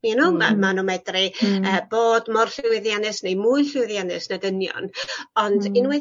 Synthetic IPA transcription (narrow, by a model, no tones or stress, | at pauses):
minuma̰manɔmɛdriəːb̥oːdmɔrɬɪwɪðjanɨsnejmʊjɬɪwɪðjanɨsnadənjɔ̰nɔndɪnwɛ